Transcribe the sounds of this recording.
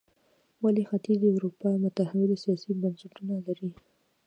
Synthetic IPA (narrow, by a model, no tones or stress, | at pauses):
walixat̪izawɾupɑmʊt̪ahawɪlsijɑsibansɪʈunalaɾi